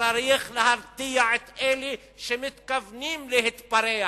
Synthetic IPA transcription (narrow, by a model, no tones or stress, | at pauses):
ɑɾiːxlɪhɑɾˤt̪ɪjaʕɪt̪ʔeːli | ʃɪmɪt̪kavniːmlɪhɪt̪bɑɾeː